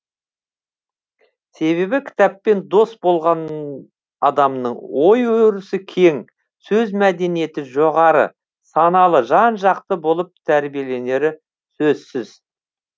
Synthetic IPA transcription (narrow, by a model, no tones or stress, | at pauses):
se̞βe̞bɪkʲʰɪ̥t̪æpːe̞nd̪o̞st̪̚bo̞lˠʁɑn | ɑd̪ɑmnəɴwo̞jwɾɪsɪkʲʰe̞ŋ | sɵzmæd̪e̞nije̞t̪ɪʒo̞ʁɑɾə̰ | sɑnɑlˠəʒɑnʒɑq̚t̪əbo̞lˠəp̚t̪ʰæɾbije̞le̞ne̞ɾɪ | sɵzsɪz̥